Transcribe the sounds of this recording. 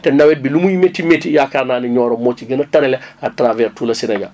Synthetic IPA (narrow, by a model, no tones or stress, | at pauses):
tɛnawɛt̚bilumujimetimetijakaɾnaːniɲɔɾɔmot͡ʃiɡənɐtɐɾɛlɛatɾavɛɾtulɐsinɐɲa̰